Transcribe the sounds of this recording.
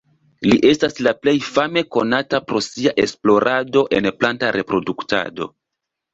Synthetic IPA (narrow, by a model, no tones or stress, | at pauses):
liʔe̞staslaple̞jfame̞ko̞natapɾo̞siaʔe̞splo̞ɾʔado̞ʔe̞nplantaɾʔe̞pɾo̞dukta̰do̞̰